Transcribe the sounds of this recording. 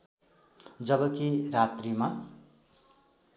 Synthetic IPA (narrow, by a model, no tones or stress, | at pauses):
d͡zʌbʌkirat̪rima